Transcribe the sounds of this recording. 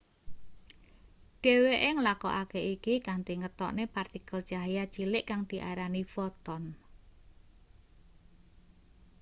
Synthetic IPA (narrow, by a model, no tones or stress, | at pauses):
ɖ̥e̤weʔeŋəlakɔ̰ʔakeikikant̪iŋət̪ɔ̰ʔnepart̪ikəld̥ʒ̥aɦjḁt͡ʃilɪʔkaŋd̪̥i̤ʔaɾanifɔt̪ɔn